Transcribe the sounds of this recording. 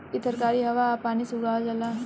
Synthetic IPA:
kit̪əɾkaːɾiɦəʋapaːnisuɡad͡ʒɐla

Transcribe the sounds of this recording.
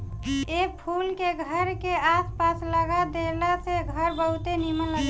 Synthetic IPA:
epʰulkeɡʱəɾkeaspasləɡad̪elaseɡʱəɾbəɦut̪enimənləɡ

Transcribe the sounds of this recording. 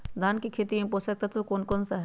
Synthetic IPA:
d̪ʱaːnkikʰeːt̪iẽposɐk̚t̪ɐt̪okoːnkonsaɦ

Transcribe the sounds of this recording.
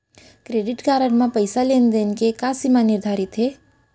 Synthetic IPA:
kɾeɖɪʈkaɾəɳmãpəjsalend̪enkekasimãnɪɾd̪ʱaɾit̪ɦe

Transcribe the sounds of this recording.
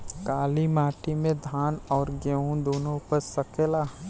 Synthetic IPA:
kaːlimaːʈimẽd̪ʱaːnɔːɾɡəũd̪oːnõpəɾsɐkeːlaː

